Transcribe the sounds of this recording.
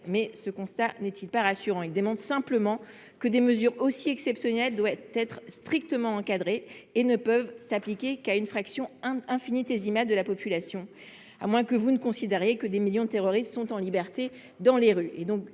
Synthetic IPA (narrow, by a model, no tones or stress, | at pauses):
mɛsəkɔ̃st̪anɛt̪ʰilpaʁasyʁɑ̃ild̪əmɑ̃d̪sɛ̃pləmɑ̃ | kəd̪eməzyʁosiɛksɛpsjɔnɛld̪wat̪ɛt̪χst̪χik̚t̪əmɑ̃ɑ̃kad̪ʁeːnəpœvsaplikʲekaynfχaksjɔ̃ɛ̃finit̪ezimadd̪əlapɔpylasjɔ̃ | a̰mwɛ̃kəvunəkɔ̃sid̪eʁjekəd̪emiljɔ̃d̪ət̪eʁɔʁist̪sɔ̃t̪ɑ̃libɛʁt̪e | d̪ɑ̃leʁyʔed̪ɔ̃k